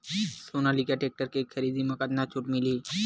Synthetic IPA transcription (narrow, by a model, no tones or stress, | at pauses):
sonalikjaʈek̚ʈəɾkekkʰəɾiːd̪imɐkat̪nat͡ʃʰuʈmɪliː